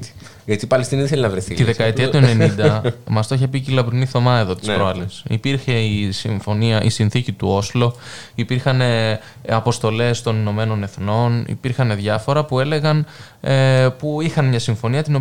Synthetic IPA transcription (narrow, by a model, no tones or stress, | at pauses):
ʝɐt̪ipɐlest̪iniðiθelinɐvɾeθit̪iðe̞tkɐet̪iɐuenenind̪ɐmɐst̪oçepicilɐbɾuniθo̞mɐe̞ðo̞t̪i̥sɾoɐlesḭpiɾçe̞isiɱfo̞niɐʔḭsinθicit̪uo̞slo̞ | ipiɾxɐne̞ | ɐpo̞st̪o̞le̞st̪o̞nino̞me̞no̞ne̞θno̞nḭpiɾxɐne̞ðʝɐfo̞ɾɐpue̞le̞ɣɐn | epuixɐnmɲɐsiɱfo̞niɐt̪ino̞